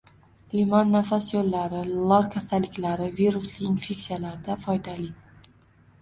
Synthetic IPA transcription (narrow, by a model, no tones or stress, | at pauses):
limɒnːafasjolːaɾɪlˠɒɾkʲʰasalːɪkʲlaɾɪviɾʊslɪinfʲe̞ksijalaɾɪd̪afɒjd̪alɪ